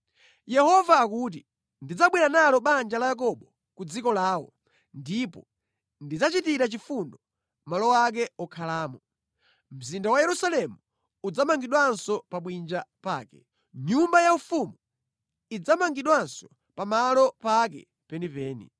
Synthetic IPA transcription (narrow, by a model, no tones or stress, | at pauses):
jɛhɔvaːkuːt̬i | ndid͡zaɓwinanalɔɓand͡ʒalajak̬ɔɓɔ | kud͡zikɔlaːwɔ̰ | ndipɔ | ndid͡zat͡ʃitiɾat͡ʃifundɔ | malɔwak̬ɛɔkʰalaːmɔ | m̩zindawajɛɾusalɛmu | ud͡zamaŋɡiɗwansɔpaɓwind͡ʒapaːkɛ̰ | ɲumbajaufumu | id͡zamaŋɡiɗwansɔ̥ | pamalɔpak̬ɛ̰ | pɛnipɛːnḭ